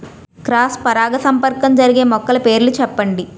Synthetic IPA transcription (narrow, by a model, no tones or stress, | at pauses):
kɾaːspɐɾaːɡɐsɐmpɐɾkɐmd͡ʒɐɾiɡeːmɔkːɐlɐpe̞ːɾlut͡ʃɛpːɐɳɖi